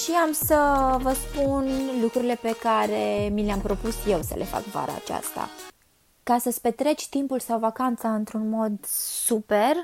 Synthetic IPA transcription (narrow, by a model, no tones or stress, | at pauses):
ʃiamsəvəspunlukɾuɾile̞pe̞kaɾe̞mileampɾo̞pusje̞wsə̰lʔe̞fa̰kva̰ɾa̰ːt͡ʃa̰st̪a̰ | kasəspe̞t̪ɾe̞t͡ʃʲt̪impulsawvakant̪saɨnt̪ɾunmo̞d̪supe̞r